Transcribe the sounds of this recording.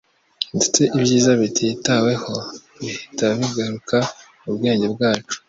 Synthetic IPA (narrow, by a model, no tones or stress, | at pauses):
indet͡seʔibɟiːzaβitʰitawe̞ho̞ | βihitaβaβiɡaɾuka | uβɡe̞ːɲɟe̞bɡaːt͡ʃu̥